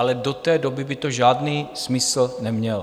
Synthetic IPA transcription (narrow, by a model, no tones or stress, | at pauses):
alɛdot̪ɛːdobɪbɪt̪oʒaːdniːsmɪsl̩nɛmɲɛl